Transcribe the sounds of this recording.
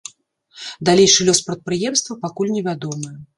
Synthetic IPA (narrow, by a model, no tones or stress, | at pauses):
d̪alʲejʂɨlʲɔspɾɐt̪̚pɾɨjɛmst̪vɐpakulʲnʲɛvʲad̪ɔmɨjɛ